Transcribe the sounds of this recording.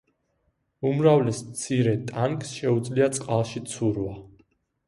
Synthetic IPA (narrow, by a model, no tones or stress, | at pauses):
umɾavlɛsmt̪sʰiɾɛt̪ʼaŋksʃɛud̪zliat̪sʼqʼalˠʃit̪sʰuɾva